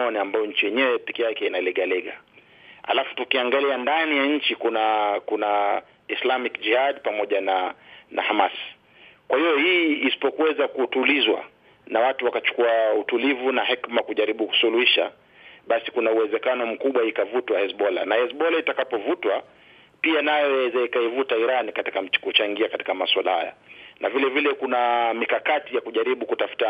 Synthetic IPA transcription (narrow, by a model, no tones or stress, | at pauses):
ɔniambajɔɲ̩t͡ʃijɛɲɛwɛpɛkijakɛinalɛɠalɛɠa̰ | ha̰lafu̥tukiaŋɡaliandanijaɲ̩t͡ʃikunakuna | islamikd͡ʒihadpamɔʄananʔa̰hamas | kwahijɔhiːsi̥pɔkuɛzakutulizwa̰ | nawatuwakat͡ʃu̥kuautulivunahɛkmakuʄaɾiɓuku̥suluhiʃa | ɓasikunauwɛzɛkanɔm̩kuɓwaikavutwaɛsɓɔla̰naɛsɓɔlaitakapɔvutwa | pianajwɛzɛikaivutaiɾanikati̥kam̩i̥kut͡ʃaŋɡiakati̥kamaswala̰ha̰ja̰nʔavilɛvilɛkunamikakatijakuʄaɾiɓukutafu̥ta